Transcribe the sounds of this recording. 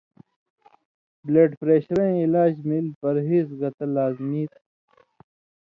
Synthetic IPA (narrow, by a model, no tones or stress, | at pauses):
bleːɖpɾeːɕɾɐ̃ilaːd͡ʑmilpɐɾɦiːzɡɐt̪ɐlaːzmiːt̪